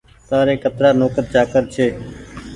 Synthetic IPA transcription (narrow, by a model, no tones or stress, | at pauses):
t̪aːɾeːkət̪ɾaːnoːkət̪̚t͡ʃaːkəɾt͡ʃʰeː